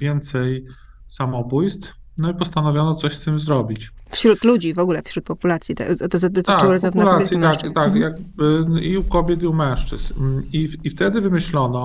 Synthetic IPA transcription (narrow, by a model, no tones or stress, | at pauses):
vʲjɛnt̪sɛj | samɔbujst̪f | nɔipɔst̪anɔvʲjɔnɔt̪sɔɕst̪ɘmzɾɔbʲit͡ɕ | fɕɾut̪lud͡ʑivɔɡulɛfɕɾut̪̚pɔpulat̪sʲjit̪ɛ̰ɔt̪ɔzɔd̪ɔt̪ɪaʈ͡ʂwwɔɾɔzɔvnɛlasʲjimakt̪akjaɡ̚bɘiukɔbʲjɛt̪iumɛ̃w̃ʂt͡ʂɘ̰zniift̪ɛd̪ɘvɘmɘɕlɔnɔ